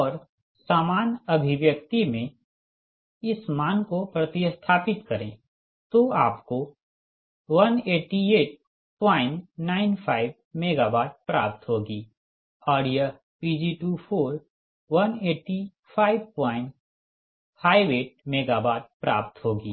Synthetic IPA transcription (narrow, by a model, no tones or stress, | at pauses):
ɔːɾ | saːmaːnɐbʱɪʋjəkt̪imẽ | ɪsmaːnkopɾɐt̪ɪst̪ʰaːpɪt̪kɐɾẽ | t̪oaːpko | ʋɐneːʈieːʈ̚ | pãːɪ̃ɳʈnaːɪnpʰaːɪb | meːɡaːbaːʈ̪̚pɾa̰ːpt̪ɦoːɡiː | ɔːɾjə | piːd͡ʒiʈuːpʰoːɾ | ʋɐneːʈːi | pʰaːɪbpãːɪ̃ɳʈ | pʰaːiʋeːʈ̚meːɡaːbaːt̪̚pɾa̰ːp̚t̪ɦoːɡiː